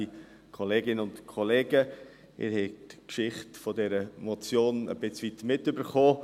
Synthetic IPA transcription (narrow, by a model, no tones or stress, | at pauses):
i | kʰɔleːɡɪnənʊntkʰɔleːɡə | ɪ̰ːɾɦɛtkʃɪχtfɔdɛɾəmɔt͡sjoːnə̰b̥ɪt͡sʋitmɪtybəɾχoː